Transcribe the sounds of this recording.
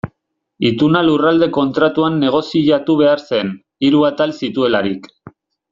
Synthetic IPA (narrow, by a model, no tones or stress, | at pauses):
it̪unalurald̪e̞ko̞nt̪ɾat̪uanːe̞ɣ̞o̞siʎat̪uβe̞aɾse̞n | iɾuat̪alsit̪ue̞laɾik